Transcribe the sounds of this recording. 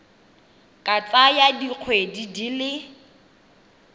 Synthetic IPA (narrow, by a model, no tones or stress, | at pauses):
kʼat͡sajadiq͡χʰwedidilɪ